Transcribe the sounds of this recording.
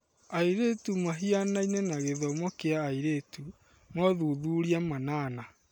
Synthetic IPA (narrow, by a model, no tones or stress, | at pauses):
aiɾetumaɦianainenaɣeðɔmɔkeaːiɾetu | mɔðuðuːɾiamanana